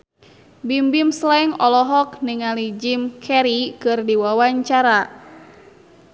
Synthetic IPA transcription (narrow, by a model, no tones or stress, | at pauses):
bimbimslɛŋɔlɔɦɔk̚niŋalid͡ʒimkʰɛɾikɨrdiwawaɲt͡ʃaɾa